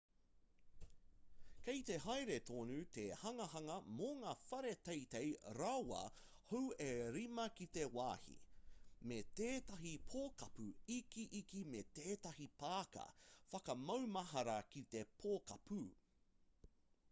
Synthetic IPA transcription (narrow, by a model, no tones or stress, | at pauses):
kejt̪e̞ɦajɾet̪ʰoːnut̪ehɐŋɐhɐŋɐmoŋaːfɐɾe̞t̪ejt̪ejɾɐwɐ̰ | howeɾimɐkit̪e̞waːhḭmet̪eːt̪ɐɦipʰoːkɐpuikiʔikimet̪eːt̪ɐhipaːkɐ̰fɐkɐmɐwmɐɦɐɾɐkit̪e̞pʰoːkɐpu